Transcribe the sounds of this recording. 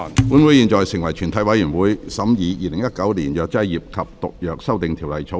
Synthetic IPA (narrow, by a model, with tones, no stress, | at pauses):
pu˨˥nwu˨˥jiː˨˧nt͡ʃɔː˨jsɪ˨˩ŋwɐ˨˩jt͡ʃʰyː˨˩nt̪ʰɐ˨˥jwɐ˨˥jyː˨˩nwuː˨˧jsɐ˨˥mjiː˨˧jiː˨˧lɪ˨˩ŋjɐ˥t̚kɐ˨˥wliː˨˩njœː˨˧k̚t͡sɐ˥jjːiː˨p̚kʰɐ˨p̚t̪ʊ̰˨k̚jœː˨k̚sɐ˥wt̪ɪ˨ŋt̪ʰiː˨˩wlɐ˨jt͡sʰo˨˧˥